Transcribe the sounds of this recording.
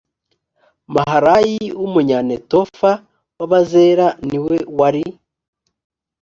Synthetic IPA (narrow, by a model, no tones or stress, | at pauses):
maɦaɾajiwumuɲanetofa | waβaze̞ːɾaniwe̞waɾi